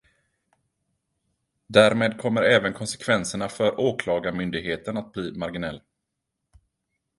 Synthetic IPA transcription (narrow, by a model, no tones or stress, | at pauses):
d̪æɾmeːd̪̚kʰɔmːəɾɛːvənkʰɔnsɛ̥kʰvɛnsəɳafœɾoːkʰlɑːɡamʏnd̪ɪɡheːt̪ənat̪̚bliːmaɾɡɪnɛlː